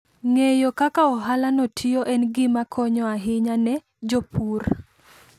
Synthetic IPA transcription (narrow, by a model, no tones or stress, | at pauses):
ŋejokakaɔɦalanotʰioʔɛnɡɪmakʰɔɲɔaɦɪɲanɛ | d͡ʒopur